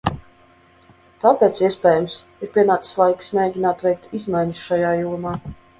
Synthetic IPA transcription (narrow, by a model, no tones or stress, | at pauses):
t̪aːpʲɛːt̪siɛspʲɛːjumsiɾpʲiɛnaːt̪sslˠajki̥smʲeːɟʲinaːt̪vʲɛjk̚t̪izmajɲusʃajaːjuɔmaː